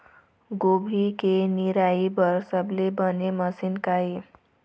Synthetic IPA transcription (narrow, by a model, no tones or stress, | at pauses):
ɡobʱikeniɾaibʌɾsəblebʌnemʌsinkae